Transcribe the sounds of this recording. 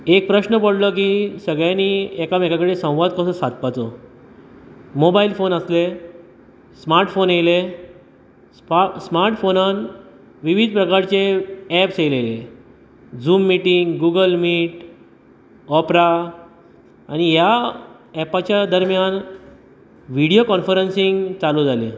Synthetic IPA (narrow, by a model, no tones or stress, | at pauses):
ek̚pɾəɕnəpəɽləkisəɡɭjaniːekamekakəɽesə̃w̃ʋad̪̚kəsəsad̪̚pat͡sɔ | mobailfonəsle | smaɾʈfonele | smaɾʈfonan | ʋiʋid̪̚ʱpɾəkaɾt͡seɛpsejlele | d͡zuːmːiʈiŋɡɡuɡəlmiːʈ | ɔpɾa | a̰ñija | ɛpat͡ɕjad̪əɾmjan | ʋiɽijokɔnfəɾənsiŋɡt͡salud͡zʱale